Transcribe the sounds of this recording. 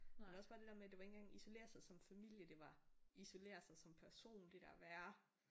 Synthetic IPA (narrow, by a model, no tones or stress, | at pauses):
mɒsb̥ɑ̈ːd̥e̝d̥eɐmed̥e̝ʋɑe̝ŋn̩ŋ̩ɡ̥ɑ̈ŋiso̝le̝̰ːɐsɑ̈ɪsɒ̽mfæmil̰jəd̥e̝ʋɑ̈iso̝le̝̰ːɐsɑ̈ɪsɒ̽mpʰæɐso̝̰ːnd̥e̝d̥æɐʋæːɐ